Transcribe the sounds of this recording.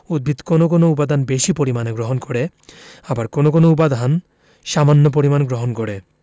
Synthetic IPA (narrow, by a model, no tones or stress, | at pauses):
ud̪̚bʱit̪konok̬onoup̬ad̪ʱanbeʃipoɾimaneɡɾoɦonkoɽe | abaɾkonokonoup̬ad̪ʱan | ʃamanːop̬oɾimanɡɾoɦonkɔɽe